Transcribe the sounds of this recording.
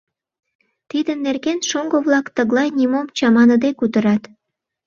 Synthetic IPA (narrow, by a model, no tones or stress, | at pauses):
t̪id̪ənːerɣenʃoŋɡoβlɑkt̪əɣlɑjnimomt͡ɕɑmɑnəd̪ekut̪əɾɑt̪